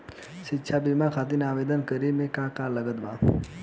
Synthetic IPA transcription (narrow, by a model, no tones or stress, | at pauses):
ʃɪtːʃʰabimakʰaːt̪̬inaːʋeːd̪ənkəɾimẽkãkaləɡəd̪bã